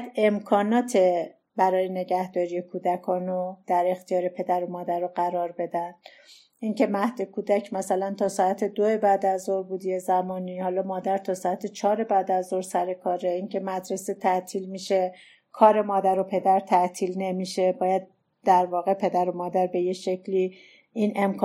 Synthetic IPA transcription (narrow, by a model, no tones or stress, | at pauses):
d̪e̞mkʰɒːnɒːt̪ʰe | bæɾɒːjene̞ɟæhd̪ɒːɾije̞kʰuːd̪ækʰɒːnod̪̥æɾe̞xt̪ʰijɒːɾe̞pʰe̞d̪æɾomɒːd̪æɾoɢæɾɒːɾbe̞d̪ænd̪ | ʔiŋcʰe̞mæhd̪e̞kʰuːd̪æcʰmæsælænt̪ʰɒːsɒːæt̪ʰed̪oe̞bæːd̪æzoɾbuːd̪jezæmɒːniːhɒːlɒːmɒːd̪æɾt̪ʰɒːsɒːæt̪ʰet͡ʃʰɒːɾe̞bæːd̪æzoɾsæɾe̞kʰɒːɾe̞iŋcʰe̞mæd̪ɾe̞set̪ʰæt̪ʰiːlmiːʃe̞ | kʰɒːɾe̞mɒːd̪æɾo̞pʰe̞d̪æɾt̪ʰæʔt̪ʰiːlne̞miːʃe̞bɒːjæd̪̚ː | æɾvɒːɣe̞pʰe̞d̪æɾo̞mɒːd̪æɾbe̞jeʃe̞cʰli | inʔe̞mkʰː